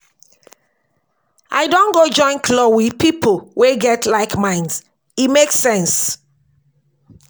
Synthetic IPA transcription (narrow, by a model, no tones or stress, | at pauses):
ʔaɪdõnɡod͡ʒɔ̃ɪ̃nkʰlɔwiðpipʰolweɡɛtʰlaɪkmãɪ̃ns | imeksɛ̃ns